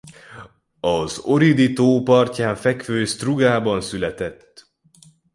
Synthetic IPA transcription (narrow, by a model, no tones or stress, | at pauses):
ɒzo̞ɾid̪it̪oːpɒrcaːɱfɛkføːst̪ruɡaːbɒnsylɛt̪ɛt̪ː